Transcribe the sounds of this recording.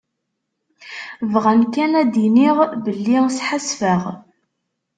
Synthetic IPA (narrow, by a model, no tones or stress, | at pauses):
vʁænkænæd̪iniʁbəlːisħasfəʁ